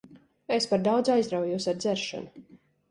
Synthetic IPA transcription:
espaɾd̪awd̪zajzd̪ɾawjuːsaɾd̪zɛɾʃa̰nu

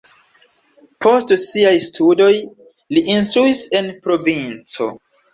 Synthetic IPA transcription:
pʰo̞stsiajstʰudo̞j | liʔinstɾuise̞npɾo̞vint͡so̞̰

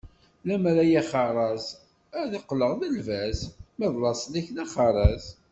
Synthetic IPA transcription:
læmɾæjæχəɾˤɑz | æðəqːləʁðəlvæzmæðˤlɑsˤlæçnæχɑɾˤɑz

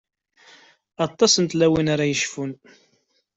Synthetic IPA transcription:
ɑt̪ˤːɑsənt̪læwinaɾajəʃfun

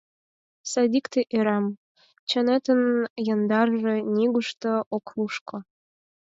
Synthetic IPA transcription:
sɑd̪ikt̪eʔeɾɑm | t͡ɕə̆net̪ənjə̆nd̪ɑrʒĕnʲiɡuʃt̪ɤ̆ʔoklˠuʃkŏ

